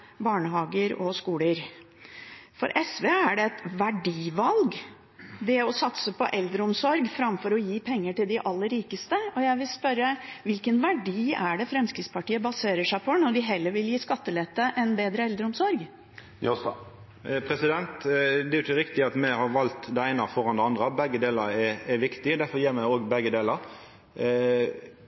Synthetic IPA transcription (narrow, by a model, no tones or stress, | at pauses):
bɑːɳəɦɑːɡəɾɔskuːləɾ | fɔ̰ɾʔɛsʋeːæɖɛɛt̪ʋæɖiːʋɑlɡ | ʋ̪ɪɔsɑt̪səpɔ̰ʔɛld̪ɾəʊmsɔɾɡfɾɑmfɔɾɔjiːpʰɛŋːəʈɪld̪ɪʔɑlːəɾːiːkəst̪əɔjæɪʋɪlspœɾːəʋɪlkənʋæɖiːæɖɛfɾɛmskɾɪktspʰɑʈiːəbɑseːɾəʂæɪpʰɔnɔɖɪɦɛlːəɾʋɪljiːskɑt̪ːəlɛt̪ːəʔɛnbeːd̪ɾəɛld̪ɾəʊmsɔɾɡ | pʰɾɛsɪd̪ɛnt̪d̪ɛɾʊçəɾɪkt̪ɪɑt̪mɛhɑɾʋɑlt̪d̪ɛæɪnɑfɔɾɑnd̪ɛɑnd̪ʁəbɛɡːəd̪eːləɾɛɛʋɪkt̪ɪd̪æɾfɔɾjiːʁmæɪoːɡbɛɡəd̪eːləɾ